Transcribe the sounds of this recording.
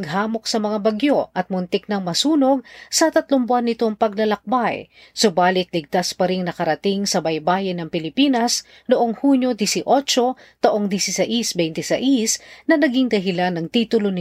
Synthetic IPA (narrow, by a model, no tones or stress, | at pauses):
ɡ̚ɦaːmo̞ksɐmɐŋabɐɡjo̞ʔɐt̪̚mʊnt̪ɪk̚nɐŋmɐsuːno̞ɡ̚sɐt̪ɐt̪lombʊanːɪt̪o̞ŋpɐɡ̚lɐlɐk̚baj | sobaːlɪt̪̚lɪɡ̚t̪aspɐɾɪŋnɐkɐɾɐt̪ɪŋsɐbɐjbaːjɪnɐŋpɪlɪpiːnɐs | noʔoŋhuɲjod̪ɪsɪʔo̞t͡ʃo̞ | t̪ɐʔo̞ŋd̪isɪsɐʔisbɛjnt̪ɛsɐ̰ʔisnɐnɐɡiŋd̪ɐɦɪlanːɐŋt̪iːt̪ʊlonɪ